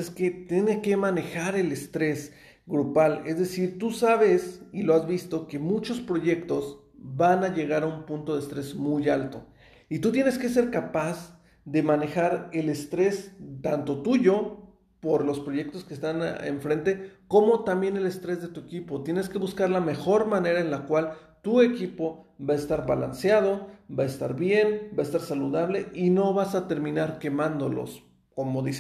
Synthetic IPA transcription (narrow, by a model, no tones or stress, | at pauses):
esket̪jeneke̞mane̞xaɾe̞lest̪ɾe̞s | ɡɾupale̞zðe̞siɾt̪usaβe̞silo̞azβist̪o̞ke̞mut͡ʃo̞spɾo̞ʝe̞kt̪o̞z | βanaʝe̞ɣaɾaumpunt̪o̞ð̞est̪ɾe̞zmujalt̪o̞ | it̪ut̪jene̞skes̬e̞ɾkapaz | ðe̞mane̞xaɾe̞le̞st̪ɾe̞st̪ant̪o̞t̪uʝo | po̞ɾlo̞spɾo̞ʝe̞k̚t̪o̞skest̪anḛɱfɾe̞nt̪e̞ko̞mo̞t̪ambje̞ne̞le̞st̪ɾe̞zðe̞t̪uekipo̞t̪je̞ne̞ske̞βuskaɾlame̞xo̞ɾmãne̞ɾaenlakwal | t̪ue̞kipo̞βaest̪aɾβala̰nsjað̞o̞baest̪a̰ɾβje̞nbaest̪aɾsaluðaβle̞ino̞βasat̪e̞ɾmĩnaɾke̞mãnd̪o̞̰lo̰s | ko̞mo̞ðise